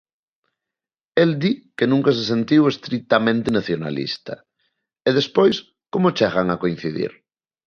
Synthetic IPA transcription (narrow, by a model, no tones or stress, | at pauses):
eld̪ikenũŋkas̬es̬ent̪iwest̪ɾik̚t̪amẽnt̪enaθjona̰lḭst̪ɐ̰ | eðespojs | komot͡ʃɛɣaŋakoin̟θiðḭɾ